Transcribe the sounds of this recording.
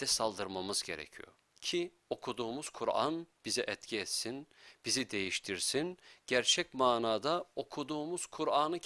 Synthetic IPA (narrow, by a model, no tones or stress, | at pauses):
d̪̥ɛsalˠd̪ɯɾmamɯzɟe̞̰ɾɛ̰cʰḭjo̰ | cʰi | o̞kʰud̪uːmuz̥kʰuɾa̰nb̥izɛʔɛt̪cʰiɛt̪sinb̥izid̪e̞jiʃt̪ʰiɾsinɟ̥æɾt͡ʃʰɛc̚maːnaːd̪ao̞kʰud̪uːmuz̥kʰuɾaːnɯ